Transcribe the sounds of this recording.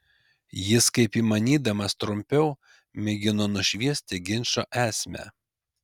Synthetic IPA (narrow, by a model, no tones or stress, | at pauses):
jɪskɐɪpiːmɐnʲiːd̪ɐmɐst̪ɾʊmʲpʲɛʊ | mʲɪɡʲɪnoːnʊʃʲʋʲiɛsʲt̪ʲɪɡʲɪnʲʃoːʔæːsʲmʲæ̰